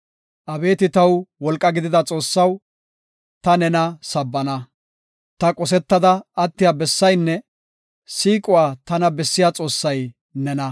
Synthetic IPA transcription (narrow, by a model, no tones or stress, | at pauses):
ʔɐbe̞ːt̪ɪt̪ɐwwɔlkʼːɐɡɪd̪ɪd̪ɐt͡sʼo̞ːsːɐw | t̪ɐnɛnɐsɐbːɐnɐ | t̪ɐkʼɔs̬ɛt̪ːɐd̪ɐːt̪ːɪjabɛsːɐjnːɛ | siːkʼʊwaːt̪ɐnɐbɛsːɪjaːt͡sʼo̞ːsːɐj | nɛnɐ